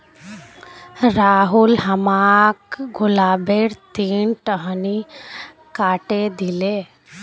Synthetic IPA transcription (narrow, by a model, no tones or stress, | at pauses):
ɾaɦulɦəmakɡulabeɽt̪iɳʈəɦəni | kaʈed̪ile